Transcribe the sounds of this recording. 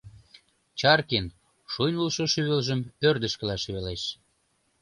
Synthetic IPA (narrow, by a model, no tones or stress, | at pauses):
t͡ɕɑrkin | ʃujnulʃoʃyβelʒəmørd̪əʃkə̆lɑʃyβeleʃ